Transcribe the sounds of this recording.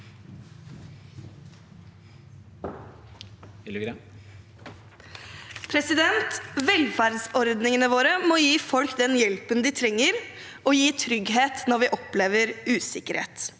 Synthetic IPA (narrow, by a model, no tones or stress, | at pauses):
pʰɾɛsɪd̪ɛnt̪ʋɛlfæɾd̪sɔɾd̪nɪŋənəʋoːɾəmɔjiːfɔlkd̪ɛnjɛlpənd̪ɪt̪ʰɾɛŋːəɾ | ɔjiːt̪ʰɾʏɡɦeːt̪nɔɾʋɪʔɔpleːʋəɾʉːsɪkəɾhḛːt̪